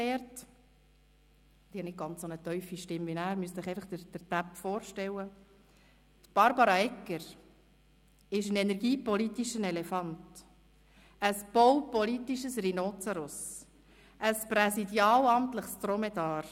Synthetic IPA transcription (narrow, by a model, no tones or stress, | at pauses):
ɛɾt | d̥ɪhɑnɪɡ̚ɡ̥ɑnt͡ssonət̪œʏfiʃtɪmʋinæːɾmyəssɪχɛɪfəχd̪əd̥əɾtæpfoːɾʃtɛlə | t̪b̥ɑɾbɑɾɑɛkːəɾ | ɪʃənɛnɛɾɡiːpɔlit̪iʃənɛlɛfɑnt | əsb̥ɔwpɔlit̪iʃəsrinot͡sɑɾʊs | ʔəspɾɛsidjɑːlɑmt̪ləχst̪ɾomɛd̪ɑːɾ